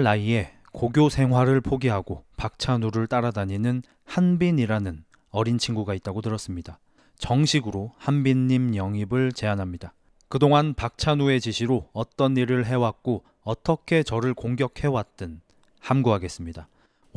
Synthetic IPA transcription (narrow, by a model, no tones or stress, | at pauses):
aie̞ | koɡjosʰe̞ŋɦwaɾɯɭpʰoɡiɦaɡopak̚t͡ɕʰanuɾɯɭt͈aɾadaɲinɯn | hanbiɲiɾanɯn | ʌɾint͡ɕʰiŋɡuɡait̚t͈aɡotɯɾʌs͈ɯmɲida | t͡ɕʌŋɕʰiɡɯɾohanbiɲːimjʌŋibɯɭt͡ɕe̞anɦamɲida | kɯdoŋanpak̚t͡ɕʰanue̞t͡ɕiɕʰiɾoʌt͈ʌniɾɯɭɦe̞wak̚k͈o | ʌt͈ʰʌkʰe̞t͡ɕʌɾɯɭkoŋɡjʌkʰe̞wat̚t͈ɯn | hamɡuɦaɡe̞s͈ɯmɲida